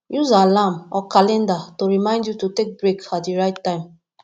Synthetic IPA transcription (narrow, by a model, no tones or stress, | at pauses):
juzalãmɔkalɛ̃ndatoɹimãɪ̃ndjutotek̚bɹekatdiɹaɪtːãɪ̃m